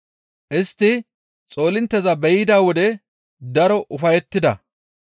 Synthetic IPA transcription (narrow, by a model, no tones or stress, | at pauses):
ʔɪst̪ːɪ | t͡sʼo̞ːlɪnt̪ːɛzɐbɛjd̪aːwɔd̪ɛ | d̪ɐɾɔʔʊfɐjɛt̪ːɪd̪ɐ̰